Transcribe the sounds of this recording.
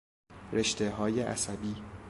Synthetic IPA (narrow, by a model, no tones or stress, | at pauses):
ɾe̞ʃt̪eɦɒːjeʔæ̰sæbiː